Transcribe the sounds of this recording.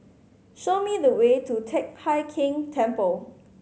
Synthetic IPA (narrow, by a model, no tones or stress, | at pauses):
ʃomidəwetutʰek̚haɪkʰɪ̃ŋtʰɛ̃mpəl